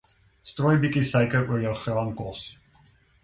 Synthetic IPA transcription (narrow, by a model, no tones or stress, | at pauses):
struːjbikisəjkəɾuərjəwχrɑːnkɔs